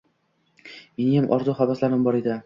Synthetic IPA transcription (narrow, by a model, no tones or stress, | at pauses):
menɪjamʔɒ̰ɾzʊχabaslaɾɪmbɒɾed̪ɪ